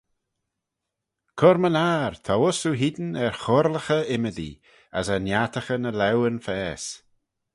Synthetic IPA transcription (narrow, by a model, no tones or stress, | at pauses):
kʰʊɾmənaːɹt̪ʰaʊsuɦid̪n̩ɛɹxʊɾləxəɪməðḭ | a̰sanjatʰəxənəlɛwənfɛːs